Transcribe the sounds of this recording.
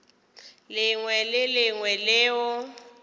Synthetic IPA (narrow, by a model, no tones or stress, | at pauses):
lɪŋwɛlɪlɪŋwɛlɪːʊ